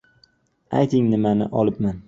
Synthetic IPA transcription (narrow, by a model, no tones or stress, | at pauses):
a̰jt̪ʰɪŋnɪmanɪ̰ʔɒlˠɪpman